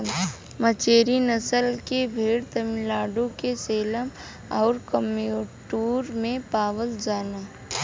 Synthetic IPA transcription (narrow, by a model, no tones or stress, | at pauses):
mət͡ʃeːɾinəsəlkebʱeːɽt̪əmɪlaːɖõkeseːləm | ɔːɾkəmeoːʈuːɾmẽpaːʋəld͡ʒaːnaː